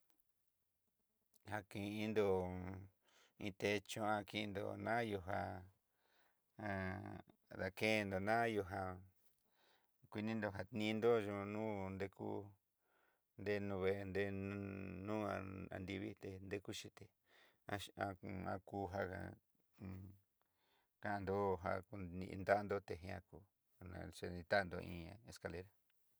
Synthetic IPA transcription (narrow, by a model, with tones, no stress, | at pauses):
ha˧kĩ˧ʔĩ˦nd̪o˧ | ĩ˧t̪e˧t͡ʃõ˧ã˧ki˧nd̪o̰˧nã˦ju˧ɦa˧ | a˧ | ða˧ke˦˧nd̪o˨nã˦jo˧ɦa˧ | kʷi˧nĩ˦nd̪o˧ɦa˧t̪nĩ˦˧nd̪o˦ʒũ˧nũ˦nd̪e˧kṵ˦ | nd̪e˦nũ˧βe˧nd̪e˧˦n˧nũː˦aa̰˨nd̪i˧βi˦t̪e˧nd̪e˦ku˦ʃi˦t̪e˧ | a˧a˧a̰˧ku˧˦ɦa˧a̰˧ | kã˧ʔa˧nd̪o˦ɦa˧ku˧ni˧nd̪a˦nd̪o˦t̪e˧ɦẽ˧ã˧kuː˧˨ | nã̰˨˧ʂe˧nĩ˧t̪a˦˧nd̪o˧ʔḭ̃ː˧e˧ska˧le˧ɾa˦